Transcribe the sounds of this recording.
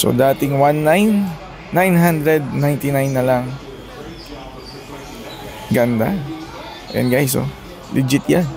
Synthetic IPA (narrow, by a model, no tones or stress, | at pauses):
so̰d̪aːt̪ɪŋwanːajnː | ajnɦand̪ɾɛd̪̚najnt̪ɪnajnːɐlaŋ | ɡɐnd̪a̰ | ʔɛ̰nd̪ɡajso̰ | lʔɪd͡ʒɪt̪jan